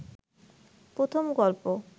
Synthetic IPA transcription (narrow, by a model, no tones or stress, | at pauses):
pɾot̪ʰomɡɔlpo